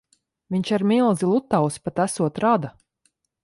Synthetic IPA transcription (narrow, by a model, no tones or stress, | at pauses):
viɲʲt͡ʃaɾmilˠzilˠut̪ːawspat̪æsuɔt̪ɾad̪a